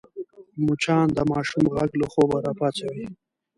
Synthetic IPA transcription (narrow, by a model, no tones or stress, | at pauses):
mut͡ʃʰɑːnd̪əmɑːʃumɣaɡloχobaɾapat͡ɕawi